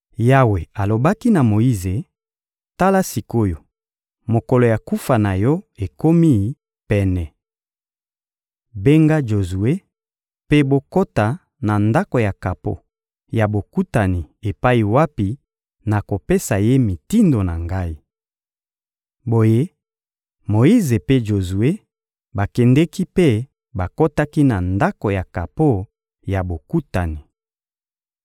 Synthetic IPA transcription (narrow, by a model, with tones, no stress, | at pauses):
ja˦we˨a˨lo˨ba˦ki˦na˨mo˨i˦ze˨ | ta˦la˦si˨ko˦jo˨ | mo˨ko˨lo˨ja˨ku˦fa˨na˨jɔ˦e˨ko˦mi˦˨˦ | pɛ˦nɛ˨ | be˦ŋɡa˦d͡ʒo˨zu˨e˦ | pe˦bo˦ko˦ta˨ | na˨nda˦ko˨ja˨ka˨po̰˨ | ja˨bo˨ku˦ta˨ni˨e˨pa˦i˨wa˦pi˨ | na˨ko˨pe˦sa˨je˦mi˨ti˦ndo˨na˨ŋɡa˦i˦ | bo˨je˦ | mo˨i˦ze˨pe˦ʒo˨zu˨e˦ | ba˨kɛ˨ndɛ˦ki˦pe˦ | ba˨ko˦ta˦ki˦na˨nda˦ko˨ja˨ka˨po˦ | ja˨bo˨ku˦ta˨ni˨